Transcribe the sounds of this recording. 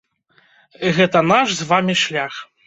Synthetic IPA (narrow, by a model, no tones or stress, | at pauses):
ɣɛt̪ɐnaʂzvamʲiʂlʲax